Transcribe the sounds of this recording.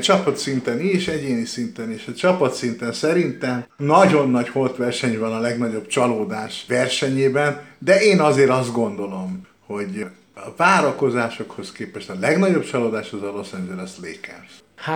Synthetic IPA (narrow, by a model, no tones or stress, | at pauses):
t͡ʃɒpɒt̪sint̪ɛniʃɛɟeːnisint̪ɛneːʃɒt͡ʃɒpɒt̪sint̪ɛnsɛɾint̪ɛmnɒɟo̞nːɒɟho̞rt̪ʋɛrʃɛɲvɒnɒlɛɡnɒɟo̞b̥t͡ʃɒloːd̪aːʃʋɛrʃɛɲeːbɛnd̪ɛʔeːnɒzeːɾɒzd̪̚ɡo̞nd̪o̞lo̞m | ho̞ɟ | ɒvaːɾɒko̞zaːʃo̞kho̞skeːpɛʃt̪ɒlɛɡnɒɟo̞bt͡ʃɒloːd̪aːʃhozɒlo̞sɛnd͡ʒɛɾɛst̪leːkɛ̰z̥ | ha